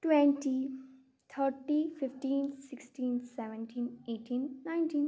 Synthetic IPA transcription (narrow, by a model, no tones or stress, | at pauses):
ʈʋɛ̃ɳʈi | t̪ʰəɾʈifɪfʈĩːnsɪksʈĩːnsɛʋə̃nʈʰĩːneːʈʰĩːnːãɪ̃nʈĩːn